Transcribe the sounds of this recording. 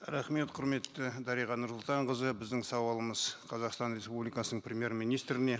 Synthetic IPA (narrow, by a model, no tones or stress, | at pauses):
ɾæχme̞t̪qʰʊɾme̞t̪ːɪd̪ɑɾijʁɑnʊɾsʊlˠt̪ɑɴʁəzəbɪzd̪ɪŋsɑwɑlˠəməzqʰɑzɑqst̪ɑnrʲe̞spublijkɑsənəɴprʲemʲje̞ɾmijnijst̪ɾɪne̞